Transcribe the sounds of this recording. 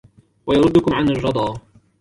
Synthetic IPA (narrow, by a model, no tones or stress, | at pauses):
wajɑɾˤʊd̪ːʊkʊmʕanarˤːɑd̪ˤɑː